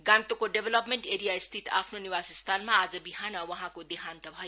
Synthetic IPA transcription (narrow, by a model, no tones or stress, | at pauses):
ɡãnt̪okoɖebʱelʌpmeɳʈeɾijaist̪ʰit̪a̰pʰnoniwasʌst̪ʰanmaːd͡zʌbiɦanʌwʌɦãkod̪iɦant̪ʌbʱʌjo